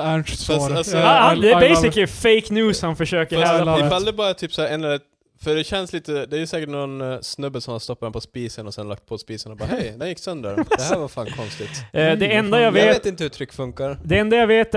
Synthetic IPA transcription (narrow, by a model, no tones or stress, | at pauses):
faahad̪ɛæɾbɛɪɪklɪfeɪknjʉːshanfœʂøːkəɾɛaɪald̪ɾɪbɑːɾat̪ʰyːpsahæːɛnɛlɛt̪ | fœɖɛɕɛnsliːt̪əd̪ɛæɾjʉsɛːkəʈnɔnsnɵbːəlsɔmhanst̪ɔpːad̪ɛnpʰɔspiːsənɔsɛnlak̚t̪̚pʰɔspiːsənɔbɑ̰ːhɛjd̪ɛnjɪkːsœnd̪ə̰ɾd̪ɛhæɾvafɑːnkʰɔnst̪ɪd̪ɛɛnd̪ajaveːt̪ɪnt̪əhʉt̪ʰɾʏkːfɵŋkaɾd̪ɛɛnd̪ajaveːt̪